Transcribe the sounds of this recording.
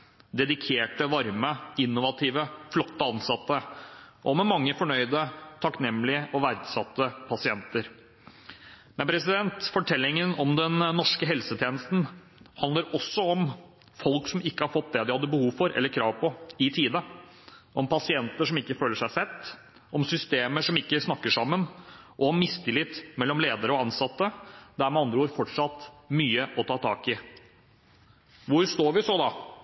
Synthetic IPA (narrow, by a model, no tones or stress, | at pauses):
d̪ɛd̪ɪkʰeːʈəʋɑɾməɪnːʊʋɑt̪ʰiːʋəflɔt̪ːəɑnsɑt̪ːəʔɔmɛmɑŋːəfɔɳœʏd̪ət̪ʰɑknɛmːlɪəʔɔʋæɾd̪sɑt̪ːəpʰɑsɪɛnt̪əɾ | mɛnpʰɾɛsɪd̪ɛnt̪fɔʈʰɛlːɪŋənɔmd̪ɛnnːɔʂkəɦɛlsət̪ʰjeːnəst̪n̩ | hɑnd̪əɾɔsːɔɔm | fɔlksɔmɪkːəhɑɾfɔt̪̚ːd̪ɛd̪ɪhɑd̪ːəbəhuːʋfɔɾʔɛ̰lːəɾkʰɾɑːʋpʰɔɪt̪ʰiːd̪ə | ʔɔmpʰɑsɪɛnt̪əʂɔmɪkːəføːləʂæɪsɛt̪ː | ɔmsʏst̪eːməʂɔmɪkːəsnɑkːəʂɑmːənʔɔɔmːɪsːt̪ʰɪlɪt̪ːmɛlːɔmleːd̪əɾəɔɑnsɑt̪ːəd̪ææɾmɛɑnd̪ɾəuːɾfɔʈʂɑt̪myːəʔɔt̪ʰɑːt̪ʰɑːkɪ | ʋʊɾʂt̪oːɾʋɪsɔd̪ɑ